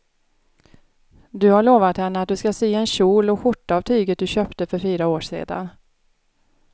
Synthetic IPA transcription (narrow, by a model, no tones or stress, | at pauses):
d̪ɵhaɭoːvat̪hɛnːəat̪̚d̪ɵskaseːɛnɕuːlɔɧʊʈːaavt̪ʰyːɡət̪̚d̪ɵɕœːpt̪əfœɾfyːɾaoːʂḛːd̪a̰n